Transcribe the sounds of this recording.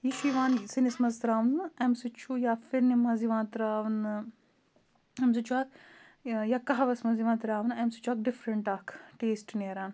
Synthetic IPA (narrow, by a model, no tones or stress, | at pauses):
jiʃiʋãːnsinismɐzt̪ɾaːʋnɨɐmsut͡ʃʰujaːfiɾnimɐziʋãːnt̪ɾaːʋn | ems̬ut͡ʃʰuaːk | jakɐɦaʋɐsmɐziʋãːnt̪ɾaːʋnɐmsu̥t͡ʃʰuaːk̚ɖifɾɐɳʈaːkʈeːsʈneːɾaːn